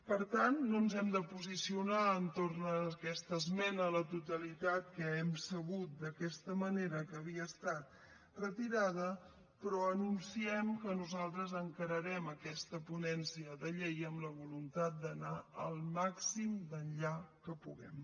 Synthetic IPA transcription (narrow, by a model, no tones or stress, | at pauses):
pəɾt̪anːonzɛmd̪əpuzisiunaənt̪ornəkɛst̪əzmɛnələt̪ut̪əlit̪at̪̚kəɛmsəɣut̪̚d̪əkɛst̪əməneɾəkəːβ̞iəːst̪at̪̚ | rət̪iɾað̞ə | pɾɔənunsiɛmkənuzalˠt̪ɾəzəŋkəɾəɾɛməkɛst̪əpunɛnsiəðəʎejəmləβulunt̪at̪̚d̪ənaəlˠmaksimd̪ənʎakəpuɣɛ̰m